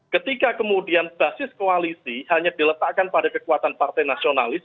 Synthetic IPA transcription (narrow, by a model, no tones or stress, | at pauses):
kət̪ikakəmudianb̥a̤sɪskoalisihaɲadilət̪aʔkanpadakəkuwat̪anpart̪ɛjnasionalɪs